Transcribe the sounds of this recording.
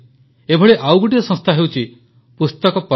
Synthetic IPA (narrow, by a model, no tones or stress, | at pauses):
ebʱɔɭeʔawɡuʈiɾɔsɔ̃st̪ʰaɦewt͡ʃʰi | pust̪ɔkɔpɔ